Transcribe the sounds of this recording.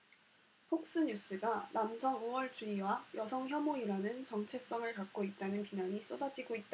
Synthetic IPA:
pʰok̚s͈ɯɲus͈ʰɯɡanamsʰʌŋowʌɭt͡ɕuiwajʌsʰʌŋçjʌmoiɾanɯnt͡ɕʌŋt͡ɕʰe̞s͈ʌŋɯɭkak̚k͈oit̚t͈anɯnpinaɲis͈odad͡ʑiɡoit̚t͈a

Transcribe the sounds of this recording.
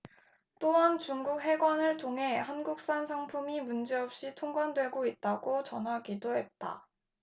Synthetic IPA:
t͈oɦant͡ɕuŋɡuk̚ɦe̞ɡwanɯɭtʰoŋɦe̞hanɡuk̚s͈ansʰaŋpʰumimund͡ʑe̞ʌp̚ɕ͈itʰoŋɡwandwe̞ɡoit̚t͈aɡot͡ɕʌnɦaɡidoɦe̞t̚t͈a̰

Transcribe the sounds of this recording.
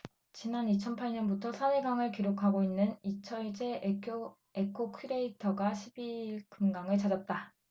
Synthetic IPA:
t͡ɕinanit͡ɕʰʌnpʰaɭɲʌnbutʰʌsʰaneɡaŋɯɭkiɾokʰaɡoinːɯnit͡ɕʰʌɭt͡ɕ͈e̞eo | ekʰokʰɯɾeitʰʌɡaɕʰibiɭkɯmɡaŋɯɭt͡ɕad͡ʑʌp̚t͈a

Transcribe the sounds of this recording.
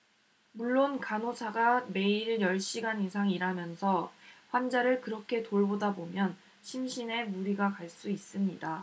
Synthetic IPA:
muɭːonkanosʰaɡame̞iɾɯɭjʌɭɕ͈iɡaninsʰaŋiɾamjʌnsʰʌɸwand͡ʑaɾɯɭkɯɾʌkʰe̞toɭbodabomjʌn | ɕʰimɕʰine̞muɾiɡakaɭs͈uis͈ɯmɲida

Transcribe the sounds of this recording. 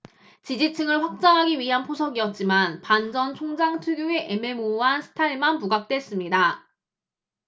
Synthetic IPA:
t͡ɕid͡ʑit͡ɕʰɯŋɯɭɸwak̚t͡ɕ͈aŋɦaɡiɥiɦanpʰosʰʌɡiʌt̚t͡ɕ͈imanpand͡ʑʌnt͡ɕʰoŋd͡ʑaŋtʰuɡjoe̞ʔeme̞moɦansʰɯ̥tʰaiɭmanpuɡak̚t͈we̞s͈ɯmɲida

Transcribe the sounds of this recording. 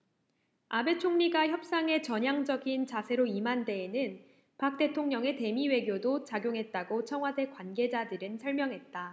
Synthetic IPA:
abe̞t͡ɕʰoŋɲiɡaçjʌp̚s͈aŋe̞t͡ɕʌɲaŋd͡ʑʌɡint͡ɕasʰe̞ɾoimande̞ːnɯn | pak̚t͈e̞tʰoŋɲʌŋe̞te̞miwe̞ɡjodot͡ɕaɡjoŋɦe̞t̚t͈aɡot͡ɕʰʌŋɦwade̞kwanɡe̞d͡ʑadɯɾɯnsʰʌɭmjʌŋɦe̞t̚t͈a

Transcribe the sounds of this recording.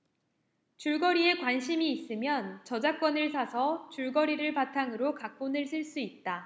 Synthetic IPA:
t͡ɕuɭɡʌɾie̞kwanɕʰimiːs͈ɯmjʌnt͡ɕʌd͡ʑak͈wʌnɯɭsʰasʰʌt͡ɕuɭɡʌɾiɾɯɭpatʰaŋɯɾokak̚k͈onɯɭsʰɯɭs͈uit̚t͈a

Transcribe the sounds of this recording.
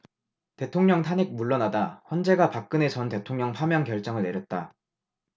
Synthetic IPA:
te̞tʰoŋɲʌŋtʰanek̚muɭːʌnadaɸʌnd͡ʑe̞ɡapak̚k͈ɯne̞sʰʌnte̞tʰoŋɲʌŋpʰamjʌŋkjʌɭt͡ɕ͈ʌŋɯɭne̞ɾjʌt̚t͈a

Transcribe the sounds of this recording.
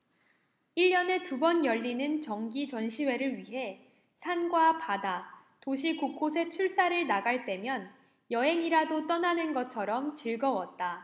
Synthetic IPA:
iʎːjʌne̞tubʌnjʌʎːinɯnt͡ɕʌŋɡit͡ɕʌnɕʰiwe̞ɾɯɭɥiɦe̞ | sʰanɡwapada | toɕ̬ʰikuk͈ʰosʰe̞t͡ɕʰuɭs͈aɾɯɭnaɡaɭt͈e̞mjʌn | jʌɦe̞ŋiɾadot͈ʌnanɯnɡʌt͡ɕʰʌɾʌmt͡ɕiɭɡʌwʌt̚t͈a

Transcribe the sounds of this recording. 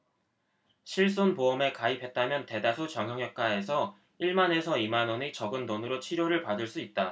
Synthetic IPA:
ɕʰiɭs̬͈onpoʌme̞kaipʰe̞t̚t͈amjʌnte̞dasʰot͡ɕjʌŋɦjʌŋjʌk̚k͈ae̞sʰʌ | iɭmane̞sʰʌimanwʌnit͡ɕʌɡɯnːonɯɾot͡ɕʰiɾjoɾɯɭpadɯɭs͈uit̚t͈a

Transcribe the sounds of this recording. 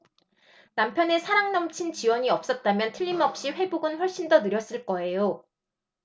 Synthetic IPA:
nampʰjʌne̞sʰaɾaŋnʌmt͡ɕʰint͡ɕiwʌɲiʌp̚s͈ʌt̚t͈amjʌntʰɯʎːimʌp̚ɕ͈iɸwe̞boɡɯnɸwʌɭɕ͈indʌnɯɾjʌs͈ɯɭk͈ʌe̞jo

